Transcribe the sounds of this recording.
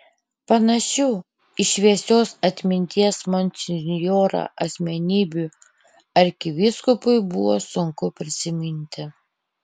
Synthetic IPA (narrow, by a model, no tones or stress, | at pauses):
pɐnɐʃʲuː | ɪʃʲʋʲiɛsʲoːsɐt̪ʲmʲɪnʲt̪ʲiɛsmɔnʲsʲɪnʲjoːɾɐ̰ʔɐsʲmʲɛnʲiːbʲu | ɐɾʲkʲɪʋʲɪskʊpʊɪbʊʋoːsʊŋkʊpʲɾʲɪsʲɪmʲɪnʲt̪ʲɪ